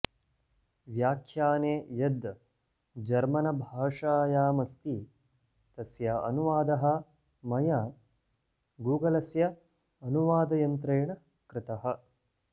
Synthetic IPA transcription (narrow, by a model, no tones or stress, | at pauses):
ʋjaːkʰjaːneːjɐd̪ | d͡ʒɐɾmɐnɐbʱaːʂaːjaːmɐst̪i | t̪ɐsjaʔɐ̰nuʋaːd̪ɐɦɐ̆ | mɐja | ɡuːɡɐlɐsjɐ | ɐnuʋaːd̪ɐjɐnt̪ɾeːɳɐ | kɾɪt̪ɐɦɐ̆